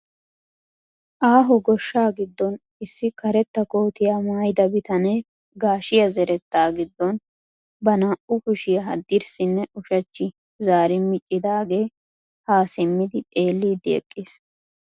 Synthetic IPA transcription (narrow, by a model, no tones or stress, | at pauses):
ʔaːɦɔɡɔʃːaːɡɪd̪ːɔn | ɪsːɪkɐɾɛt̪ːɐkoːt̪ɪjaːmaːjd̪ɐbɪt̪ɐnɛ | ɡaːʃɪjɐzɛɾɛt̪ːaːɡɪd̪ːɔn | bɐnaːʔʊkʊʃɪjɐɦɐ̰d̪ːɪɾsɪnːɛʊʃɐt͡ʃːɪ | zaːɾɪmɪt͡ʃʼːɪd̪aːɡe̞ː | haːsɪmːɪd̪ɪt̪ʼe̞ːlːiːd̪ɪɛ̰kʼːɪs